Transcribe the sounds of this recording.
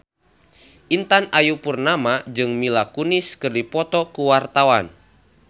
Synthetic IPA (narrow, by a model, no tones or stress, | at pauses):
ʔint̪anajupurnamad͡ʒɨŋmilakunɪskɨrdipɔt̪ɔkuwart̪awan